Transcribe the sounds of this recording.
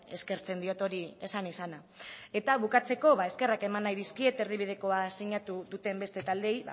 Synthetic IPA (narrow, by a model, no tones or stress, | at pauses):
e̞̰ske̞ɾt͡se̞nd̪io̞t̪o̞ɾie̞sanisana | e̞t̪aβukat͡se̞ko̞βae̞ske̞rake̞manːajðiskie̞t̪e̞rðiβ̞ið̞e̞ko̞asiɲat̪uðut̪e̞mbe̞st̪e̞t̪ald̪e̞jβa̰